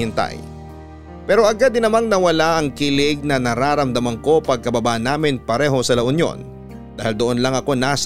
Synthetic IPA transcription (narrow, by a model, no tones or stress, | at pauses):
ɪnt̪a̰j | pɛːɾo̞ʔɐɡad̪ɪnɐmaŋnɐwɐlaʔɐŋkɪlɪɡ̚nɐnɐɾaːɾɐmd̪ɐmɐŋko̞pɐɡ̚kɐbɐbaʔɐnːaːmɪnpɐɾɛːɦo̞sɐlɐʔʊnjo̞̰n | d̪̥aːhild̪oʔonlɐŋɐko̞naːs